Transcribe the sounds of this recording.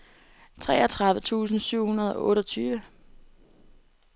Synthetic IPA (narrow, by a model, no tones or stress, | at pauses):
t͡sʰʁɛ̰ːɒt͡sʰʁɑ̈ðʋət͡sʰṵːsn̩syʊ̰hunɐð̞ˠɒ̽ʔɔ̽ːɾɒt͡sʰyːʋə